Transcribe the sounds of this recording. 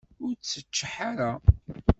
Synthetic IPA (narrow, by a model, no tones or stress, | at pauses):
ʊɾt͡sːət͡ʃːħaɾa